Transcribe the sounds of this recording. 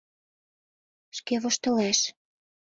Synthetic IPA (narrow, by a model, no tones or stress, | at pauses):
ʃkeβoʃt̪ɤ̆læʃ